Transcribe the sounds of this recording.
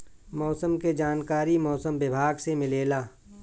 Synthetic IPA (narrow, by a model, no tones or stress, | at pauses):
mɔːsəmked͡ʒaːnkaːɾimɔːsəmbɪbʱaːɡsemɪleːlaː